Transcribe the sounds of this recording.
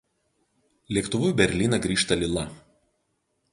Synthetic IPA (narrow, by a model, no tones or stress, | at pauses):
lʲiɛkt̪ʊʋʊjbʲɛɾʲlʲiːnɐɡɾʲiːʃt̪ɐlʲɪlˠɐ